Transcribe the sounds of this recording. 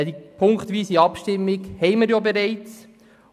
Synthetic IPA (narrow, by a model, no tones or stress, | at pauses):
dipʰʊŋkχt̪ʋiːsiɑpʃtɪmːɪɡhɛɪməɾjobeɾɛɪt͡s